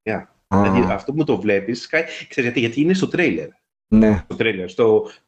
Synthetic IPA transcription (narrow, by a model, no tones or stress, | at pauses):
ɐ | lɐiʔɐft̪o̞p̬umut̪o̞vle̞piskɐkseɾizɣʝɐt̪iʝɐt̪iːinest̪o̞t̪ɾejle̞̰ɾ | nesot̪ɾejleɾst̪o̞